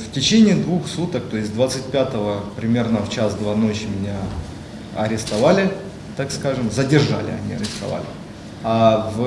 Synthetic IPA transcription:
ftʲɪt͡ɕenʲɪːd̪vuxsut̪ək̚t̪o̞ɪsʲd̪vat̪sɨt̚ʲpʲat̪əvəpɾʲɪmʲe̞rnəft͡ɕasd̪vanot͡ɕmʲɪnʲa | ɐɾʲɪst̪ɐvalʲɪ | t̪akskaʐɨmzədʲɪrʐa̰lʲɪ̰ɐ̰nʲiɐ̰ɾʲɪst̪ɐ̰va̰lʲɪ | av

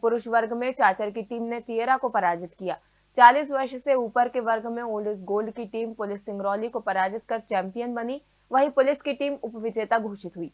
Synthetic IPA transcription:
pʊɾʊʃʋɐɾɡʱmẽt͡ʃaːt͡ʃəɾkiʈiːmnet̪iːəɾakopɐɾaːd͡ʒɪt̪kijaː | t͡ʃaːliːs̬ʋɐɾʃseuːpəɾkeʋɐɾɡʱmẽoːɖɪs̬ɡoːlɖkiʈiːmpʊlɪsːɪ̃ŋɡɾɔːlikopɐɾaːd͡ʒɪt̪̚kɐɾt͡ʃɛ̃ːmpijənbɐni | ʋɐɦipʊlɪskiʈiːmʊpʋɪd͡ʒeːt̪aɡʱuːʃɪt̪ɦuiː

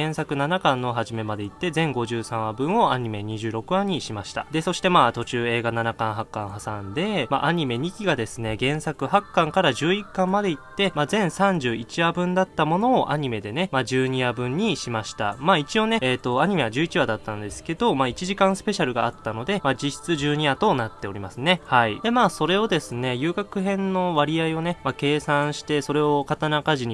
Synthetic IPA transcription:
ẽ̞sakɯ̟nanakãnːoɦaʑime̞mad̪e̞it̪ːe̞zẽ̞ŋɡo̞ʑɨːsãɰ̃abɯ̟̃ɰ̃o̞aɲ̟ime̞ɲ̟iʑɨːɾo̞kɯ̟aɲ̟iɕimaɕi̥t̪a̰d̪e̞so̞ɕi̥t̪e̞maːt̪o̞t͡ɕɨːe̞ːɡananakãɰ̃ɦakːãɰ̃hasãnd̪e̞ma̰ʔaɲ̟ime̞ɲ̟ikʲiɡad̪e̞sɨne̞ɡẽ̞ɰ̃sakɯ̟hakːãŋkaɾaʑɨːikːãmːad̪e̞it̪ːe̞maːzẽ̞ɰ̃sãɲ̟d͡ʑɨːit͡ɕiabɯ̟̃nd̪at̪ːamo̞no̞ːʔa̰ɲ̟ime̞d̪e̞ne̞maʑɨːɲ̟iabɯ̟̃ɲ̟ːiɕimaɕi̥t̪a̰maːit͡ɕio̞ne̞eːt̪o̞aɲ̟ime̞βaʑɨːit͡ɕiβad̪at̪ːãnd̪e̞sɨ̥ke̞d̪o̞maːit͡ɕiʑikãɰ̃sɨ̥pe̞ɕaɾɯ̟ɡaːt̪ːano̞d̪e̞mad͡ʑiɕi̥t͡sɨʑɨːɲ̟iat̪o̞nat̪ːe̞o̞ɾʲimasɨne̞haid̪emaːso̞ɾe̞o̞d̪e̞sɨne̞jɯ̟ːɡakɯ̟ɦẽ̞nːo̞βaɾʲiaio̞ne̞make̞ːsãɰ̃ɕi̥t̪e̞so̞ɾe̞o̞kat̪anakaʑiɲ̟i

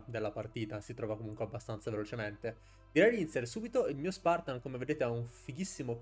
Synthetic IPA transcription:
d̪elːapart̪iːt̪asit̪ɾɔːvakomuŋkweabːast̪ant̪savelot͡ʃement̪e | d̪̥iɾɛjd̪iint̪sjaɾesuːbit̪oilmiːospart̪ankomeved̪eːt̪eauɱfiɡisːimo

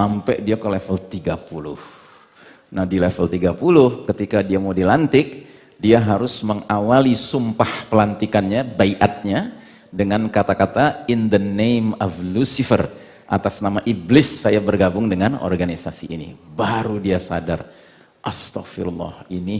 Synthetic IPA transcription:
ampɛʔdiakəlefəlt̪iɡapulʊ̰h | nahdilɛfəlt̪iɡapulʊhkət̪ikadiamawdilant̪ɪk̚ | diaɦaɾʊsməŋawalisumpahpəlant̪ikanɲabaiʔat̪̚ɲa | dəŋankat̪akat̪aɪnd̪ənejmɔflusifər | ʔa̰t̪asnamaʔiblɪsːajabərɡabʊŋdəŋanɔ̰rɡanisasiʔinḭbaɾudiasa̰dar | ʔast̪akfiɾulˠːɑ̰hini

